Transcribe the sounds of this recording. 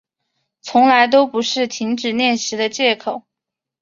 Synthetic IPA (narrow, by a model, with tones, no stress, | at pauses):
t͡sʰʊ˧˥ŋla˧˥ɪt̪̬o˥ʊpu˧˥ʂɻ̩˥˩t̪ʰi˧˥ŋʈ͡ʂɻ̩˨˩njɛ˥˩nɕi˧˥d̪ə˧t͡ɕjɛ˥˩kʰo˨˩˦ʊ